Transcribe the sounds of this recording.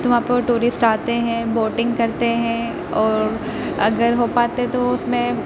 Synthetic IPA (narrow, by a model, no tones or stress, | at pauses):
t̪ʊʋɦãpeʋoʈuːɾɪsʈaːt̪eɦɛ̃boːʈɪ̃ŋɡkɐɾt̪eɦɛ̃ | ɔːɾ | ɐɡəɾɦopaːt̪eɦɛ̃t̪oʊsmẽ